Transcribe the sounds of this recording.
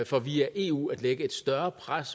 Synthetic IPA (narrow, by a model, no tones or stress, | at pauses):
fɒ̽ʋḭːɐʔe̝̰ṵːæd̥leɡ̥əe̝d̥sd̥ɶɐpʰʁas